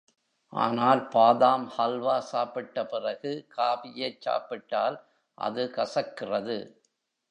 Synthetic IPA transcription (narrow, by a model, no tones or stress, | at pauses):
ʔa̰ːnaːlpaːðaːmhɐlʋaːsaːpɪʈːɐpɪrɐɣɯkʰaːbɪjɐɪt͡ʃːa̰ːpɪʈːaːl | ʔɐ̰ðɯkɐsɐkːɪrɐðɯ̰